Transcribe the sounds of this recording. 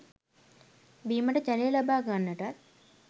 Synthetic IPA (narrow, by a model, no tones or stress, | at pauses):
biːməʈəd͡ʒalejlabaːɡanːəʈat̪̚